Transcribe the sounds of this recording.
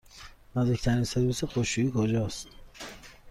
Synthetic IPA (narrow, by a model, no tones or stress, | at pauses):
nɒzd̪ict̪ʰæɾinseɾbisexoʃuiːkʰod͡ʒɒːst̪